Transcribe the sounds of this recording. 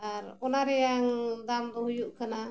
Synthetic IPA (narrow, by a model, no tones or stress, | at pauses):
aɾɔnaɾɛjaŋd̪amd̪ɔɦujuʔkana